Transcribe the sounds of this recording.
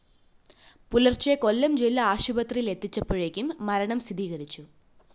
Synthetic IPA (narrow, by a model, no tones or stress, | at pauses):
pulɐrt͡ɕeko̞lːɐmd͡ʑilːɐaːɕubɐt̪rijile̞t̪ːit͡ɕːɐpːoɻekʲːumːɐɾɐɳɐmst̪id̪iːɣɐɾit͡ɕːu